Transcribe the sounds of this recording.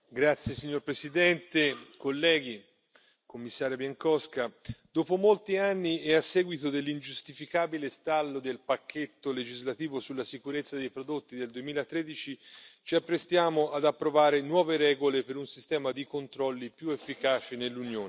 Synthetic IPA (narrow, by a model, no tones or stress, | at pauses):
ɡɾat̪sjesiɲːorpɾesid̪ɛnt̪ekolːɛːɡ̟i | komːisːaːɾjabjaŋkɔskad̪̥ɔːpomolt̪ianːiɛasːɛːɡwit̪od̪elːind͡ʒust̪ifikaːbilest̪alːod̪elpakːet̪ːoled͡ʒizlat̪iːvosulːasikuɾet̪sːad̪ejpɾod̪ot̪ːid̪eld̪uemiːlat̪ːɾeːd̪it͡ʃit͡ʃiapːɾest̪jaːmoʔad̪apːɾovaːɾenwɔːveɾɛːɡolepeɾunsist̪ɛːmad̪ikont̪ɾɔlːipjuefːikaːt͡ʃinelːunjoːn